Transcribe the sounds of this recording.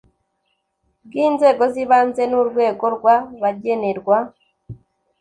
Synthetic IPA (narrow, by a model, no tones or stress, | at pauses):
ɡiːnzeɡɔziβant͡senuɾwekoɾɡwaβaɟeneɾɡwa